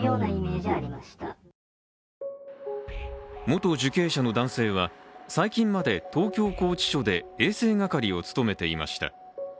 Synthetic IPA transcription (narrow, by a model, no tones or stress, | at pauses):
oːnaimeːʑiaɾʲimaɕi̥t̪a | mo̞t̪o̞ʑɨke̞ːɕano̞d̪ãɰ̃se̞ːβ̞asaikʲĩmːad̪e̞t̪o̞ːkʲo̞ːko̞ːt͡ɕi̥ɕo̞d̪e̞e̞ːse̞ːɡakaɾʲio̞t͡sɨ̥t̪o̞me̞t̪e̞ḭma̰ɕi̥t̪a̰